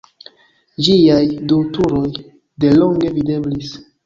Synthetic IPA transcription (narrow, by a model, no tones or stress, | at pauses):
d͡ʒijajdutuɾo̞j | de̞lo̞ŋɡe̞vide̞blis